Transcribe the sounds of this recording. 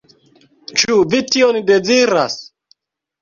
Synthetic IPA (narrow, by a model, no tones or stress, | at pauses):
t͡ʃuvitionde̞d͡ziɾa̰s